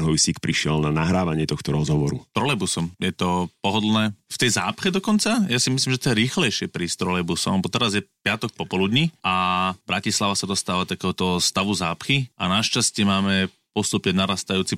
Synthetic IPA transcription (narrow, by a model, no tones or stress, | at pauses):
ɦɔjsiːkpɾiʃɪɛlnanaɦɾaːʋaɲɪɛt̪ɔxt̪ɔɾɔzɦɔʋɔɾṵt̪ɾɔlɛbusɔmjɛt̪ɔpɔɦɔd̪lnɛːft̪ɛjza̰ːpxɛd̪ɔkɔnt͡sajasimis̬liːmʒɛt̪ɔjɛɾiːxlɛjʃɪɛpɾiːst̪ɾɔlɛbusɔbɔt̪ɛɾazjɛpɪat̪ɔk̚pɔpɔlud̪ɲiabɾacislaʋasad̪ɔst̪aːʋat̪akɛːɦɔt̪ɔst̪aʋuzaːpxiʔa̰naʃt͡ʃascɪɛmaːmɛ | pɔst̪upɲɛnaɾaːst̪ajuːt͡si